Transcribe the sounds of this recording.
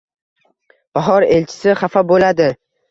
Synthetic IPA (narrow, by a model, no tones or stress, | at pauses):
b̥aɦɒɾelt͡ʃʰɪ̥sɪχafabolad̪ɪ